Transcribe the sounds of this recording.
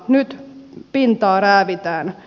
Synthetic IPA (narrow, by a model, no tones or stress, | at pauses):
nyt̪pint̪ɑːræːʋit̪æːn